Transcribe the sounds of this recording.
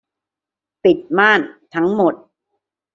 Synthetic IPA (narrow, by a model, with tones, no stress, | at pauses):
pi˨˩t̪̚maː˥˩nt̪ʰa˦˥ŋmo˨˩t̪̚